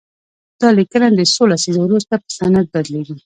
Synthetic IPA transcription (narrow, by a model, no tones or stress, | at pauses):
d̪̥ɑlikənand̪əsolasizowɾust̪apə̥sanat̪̚bad̪leɡi